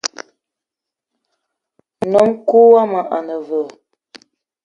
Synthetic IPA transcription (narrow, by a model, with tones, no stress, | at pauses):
nɔ˨˦ŋ̩˦ku˦wa˦ma˨ʔa̰˨nə˨və˨